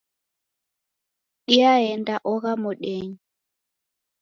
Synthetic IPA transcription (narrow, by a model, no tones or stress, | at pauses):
ɗiaɛndaʔɔɣamɔɗeːɲi